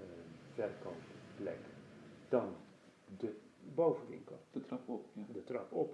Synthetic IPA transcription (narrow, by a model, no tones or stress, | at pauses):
vɛrkɑnpplɛ̰kd̥ɑndəbowvənʋɪ̰ŋkəlˠd̥ətrɑpɔpjadətrɑpɔp